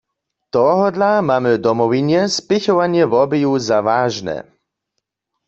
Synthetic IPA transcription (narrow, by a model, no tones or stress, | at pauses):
t̪ɔɦɔd̪lamaːmɪd̪ɔmɔvinjɛspɪçɔvanjɛvɔbɪjuzavaːʒnɛ̰